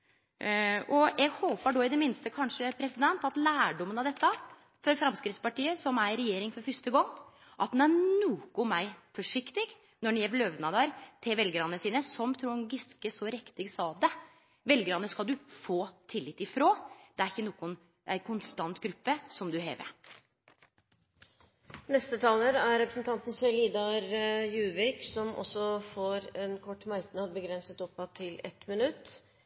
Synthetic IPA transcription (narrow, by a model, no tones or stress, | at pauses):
ʔɔjɛɡhoːpəɖɔɪd̪ɛmɪnst̪əkʰɑnʂəpʰɾɛsɪd̪ɛnt̪ɑt̪læːɖɔmːənɑʋd̪ɛt̪ːə | fɔɾfɾɑmskɾɪt̪spɑʈiːəsɔmæɾɾɛjeːɾɪŋfɔɾfœst̪əɡɔŋː | ʔɑt̪̚d̪ɛnænuːkʊmæɪfɔʂɪkt̪ɪɡ | nɔɳjɛʋløːʋnɑd̪ɑɾt̪ʰɪʋɛlɡəɾɑnːəsiːnəsɔmt̪ʰɾʊɡɪskəsɔɾɛkt̪ɪɡsɑːd̪ɛ | ʋɛlɡəɾɑnːəskɑld̪ʉfoːt̪ʰɪlːɪt̪ɪfɾoːd̪̥ɛæɾɪçːənoːkʊn | æɪkʰʊnst̪ɑnt̪ɡɾʉpːəsɔmd̪ʉɦḛːʋə̰ | nɛst̪ət̪ʰɑːləɾæɾɾɛpɾəsnt̪ʰɑnt̪n̩sɛliːd̪ɑɾjʉːʋɪksɔmʔɔ̰sɔfoɾɛnkʰɔʈːmɑɾknɑd̪̚bəɡɾɛnsət̪ɔpːɑt̪ʰːɪlɛ̰t̪mɪnʉt̪ː